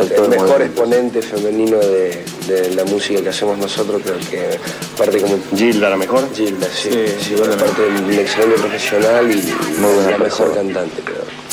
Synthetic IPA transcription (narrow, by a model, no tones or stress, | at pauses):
aomexo̞ɾespo̞nẽ̞nt̪efemenĩno̞ðe | d̪elamusikakeasemoznosot̪ɾospeɾokʰe | paɾt̪ekomoʒild̪alamexoɾʒild̪asisiwepaɾt̪eunekselend̪jopɾofesjo̞nalimoeamexoɾkant̪ant̪epeɾo̰